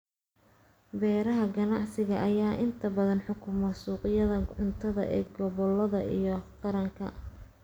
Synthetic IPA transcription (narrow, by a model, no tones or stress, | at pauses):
bɛːɾɐɦɐɡɐnɑʕsɪɣɐʔɐjaːʔɪnt̪ʰɐbɐðɐnħʊkʰʊmɐsuːqjɐðɐʕʊnt̪ʰɐðɐ̰ʔɛ̰ːɡɔβɔlːɐðɐ̰ʔḭjɔqɑɾɐŋkʰɐ̰